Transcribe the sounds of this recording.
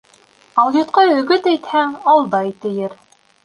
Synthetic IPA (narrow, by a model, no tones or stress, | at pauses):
ɑlˠjŏt̪qɑɵ̆ɡɵt̪æjt̪hæŋɑlˠd̪ɑjt̪ɘ̆jɘɾ